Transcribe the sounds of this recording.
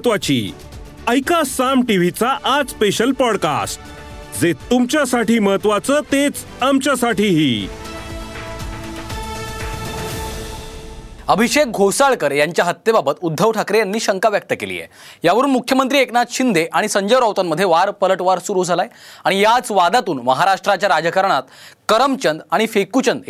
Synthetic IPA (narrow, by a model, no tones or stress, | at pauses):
t̪ʋat͡ɕḭː | əjkasamʈiʋ̤it͡saʔad͡zspeɕəlpɔɽka̰sʈ̚ | d͡zet̪umt͡ɕjasaʈiːməɦət̪ʋat͡səːt̪et͡s | amt͡ɕjasaʈiːɦiː | əbʱiɕek̚ɡʱosaɭkəɾjaɲt͡ɕjaɦət̪jebabət̪ud̪ʱːəʋʈʰakɾejanːiːɕəŋkaʋjək̚t̪əkḛlḭːjḛ | jaʋəɾuːnmukʰjəmənt̪ɾiːeknad̪ɕind̪ʱeʔaɽ̃isəɲd͡ʑəjɾɔwt̪amməd̪ʱːjeʋaɾpələʈʋaɾsuɾuːd͡zʱalajaɽ̃ijat͡sʋad̪at̪uːnməɦaɾaʂʈɾat͡ɕjaɾad͡ʑəkəɾɳ̃at̪kəɾəmt͡ɕənd̪aɽ̃ifekut͡ɕənd̪